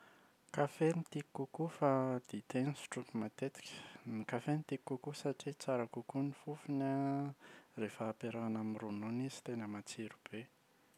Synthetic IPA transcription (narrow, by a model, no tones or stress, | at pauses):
kafenit̪ikːukufad̪̥it̪enisi̥ʈ͡ʂukimat̪et̪i̥kʲʰə̥nikafenit̪ikːukusaʈ͡ʂit͡saɾakukunifufina | refaːpeɾanamirunoniz̥i̥t̪enəmat͡siɾub̥e